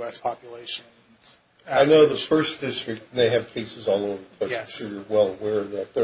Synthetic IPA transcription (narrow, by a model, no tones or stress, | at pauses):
ɛspʰɑpjɨleɪʃɨ̃n | z̥ | aɪnoʊðəfɜ˞sd̥ɪstɹ̥ɨk̚t̚n̩ðeɪɨv̥kʰeɪsɨzɔlˠoʊvə˞kʰoʃʊɹjə˞wɛlˠəwɛɹʌvðɨt̪̚ðə